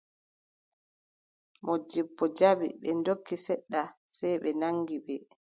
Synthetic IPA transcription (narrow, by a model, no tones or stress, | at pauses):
mʔɔd͡ʒibːɔd͡ʒabḭɓɛndokʰːisɛɗːa | sajɓɛnaŋɡiɓɛ